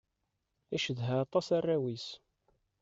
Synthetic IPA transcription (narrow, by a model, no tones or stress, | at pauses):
æʃəðɦæɑt̪ˤɑsarːæwis